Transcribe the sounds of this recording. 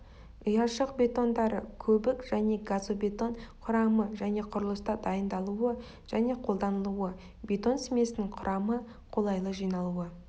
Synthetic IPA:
ʊjɑʃəq̚bʲe̞t̪o̞nd̪ɑɾəkʲʰɵbɪkʒ̥æne̞ɡazobe̞t̪o̞ɴqʰʊɾɑməʒæne̞qʰʊɾəlˠəst̪ɑd̪ɑjənd̪ɑlˠuə | ʒ̥æne̞qʰo̞lˠd̪ɑnəlˠuə | bʲe̞t̪o̞nsɪme̞sɪnɪŋqʰʊɾʔɑmə | qʰo̞lˠɑjlˠəʒijnɑlˠuə

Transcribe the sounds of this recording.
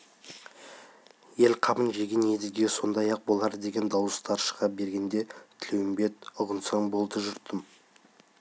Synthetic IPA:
je̞lqʰɑbənʒe̞ɡʲe̞nje̞d̪ɪzɡʲe̞so̞nd̪ɑjɑq̚bo̞lˠɑɾəd̪e̞ɡʲe̞nd̪ɑwəst̪ɑɾʃə̥ʁɑp̚be̞ɾɡʲe̞nd̪e̞t̪ʰɪlewɪmbe̞t̪̚ʊʁənsɑɴbo̞lˠd̪əʒʏɾt̪əm

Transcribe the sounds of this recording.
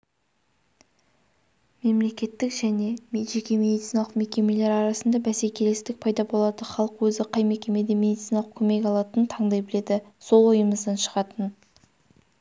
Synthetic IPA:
me̞mle̞kʲe̞t̪ːɪkʒæne̞mʒe̞kʲe̞mʲe̞d̪it̪sinlˠəqme̞kʲe̞me̞le̞ɾɑɾɑsənd̪ɑbæse̞kʲʰe̞lest̪ɪk̚pʰɑjd̪ɑbo̞lˠɑd̪əχɑlˠəqwɵzɪqʰɑjmekʲe̞me̞d̪e̞mʲe̞d̪it̪sinɑlˠəq̚kʲʰɵme̞kʲɑlˠɑt̪ənt̪ʰɑɴd̪ɑjbɪle̞d̪ɪso̞lˠojəməzd̪ɑnʃə̥ʁɑt̪ən

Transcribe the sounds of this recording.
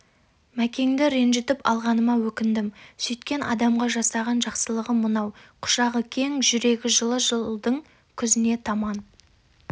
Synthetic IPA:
mækʲe̞ŋd̪ɪɾe̞nʒɪt̪ɪpɑ̰lˠʁɑnəmɑwɵkʲɪnd̪ɪmsʏjt̪kʲe̞nʔɑ̰d̪ɑmʁɑʒɑsɑʁɑnʒɑqsəlˠəʁəmənɑwqʰʊ̥ʃɑʁəkʲʰe̞ŋʒʏɾe̞ɡʲɪʒəlˠəʒəd̪əɴ | kʲʰʏzɪne̞t̪ʰɑmɑn

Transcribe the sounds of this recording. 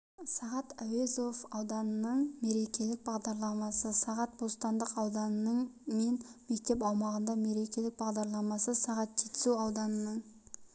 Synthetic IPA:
sɑʁɑt̪æwezofɑwd̪ɑnənəɴme̞ɾe̞kʲe̞lɪk̚bɑʁd̪ɑɾlˠɑmɑsəsɑʁɑt̪̚bost̪ɑnd̪əqɑwd̪ɑnənəɴmenmek̚t̪e̞pɑwmɑʁənd̪ɑme̞ɾe̞kʲe̞lɪk̚bɑʁd̪ɑɾlˠɑmɑsəsɑʁɑt̪ʒet̪ɪ̥suɑwd̪ɑnənəɴ

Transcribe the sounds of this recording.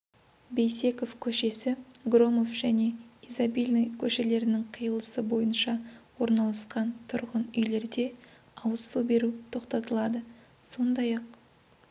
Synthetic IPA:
be̞jse̞ko̞fkʲʰɵʃe̞sɪɡro̞mo̞fʒ̥æne̞izabilʲnijkʲʰɵʃe̞le̞ɾɪnɪŋqʰijəlˠəsəbo̞jənʃɑwo̞ɾnɑlˠɑsqɑnt̪ʰʊɾʁənʏjle̞ɾd̪e̞ɑwəsːube̞ɾut̪ʰo̞qt̪ɑt̪əlˠɑd̪əso̞nd̪ɑjɑq

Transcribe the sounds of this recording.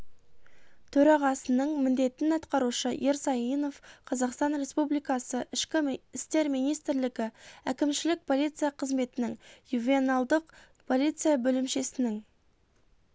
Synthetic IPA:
t̪ʰɵɾɑʁɑsənəɴmɪnd̪e̞t̪ɪnɑt̪qɑɾuʃəjeɾsɑjino̞fqʰɑzɑqst̪ɑnɾe̞spublijkɑsəʔɪʃkʲɪɪst̪e̞ɾmijnijst̪ɾlɪɡʲɪækʲɪmʃɪlɪk̚pʰo̞lˠijt̪sɨjɑqʰəzme̞t̪ɪnɪŋjuvʲenalˠd̪əq | pʰo̞lˠijt̪sɨjabɵlɪmʃe̞sɪnɪŋ

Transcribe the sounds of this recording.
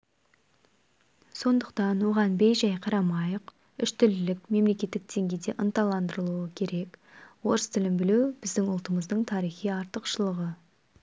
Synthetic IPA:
so̞nd̪əqt̪ɑnwo̞ʁɑnbejʒɑjqʰɑɾɑmɑjəq | ʏʃt̪ʏlɪlɪkme̞mle̞kʲe̞t̪ːɪk̚d̪̥e̞ŋɡʲe̞jd̪e̞ʔənt̪ɑlˠɑnd̪əɾəlˠuəkʲʰe̞ɾe̞kwo̞ɾəst̪ʰɪlɪmbɪlewbɪzd̪ɪŋʊlˠt̪əməzd̪əɴt̪ʰɑɾijχijɑɾt̪əqʃəlˠəʁə

